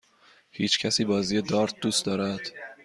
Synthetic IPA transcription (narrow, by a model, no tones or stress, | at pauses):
hiːt͡ʃcʰæsiːbɒːziːjed̪ɒːɾt̪̚d̪uːst̪d̪ɒːɾæd̪̥